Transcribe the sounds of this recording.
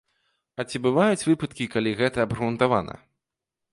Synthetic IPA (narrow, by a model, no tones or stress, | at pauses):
ɐt͡sʲibɨvajut͡sʲvɨpɐt̪kʲikalʲiɣɛt̪ɐːbrunt̪ava̰nɐ̰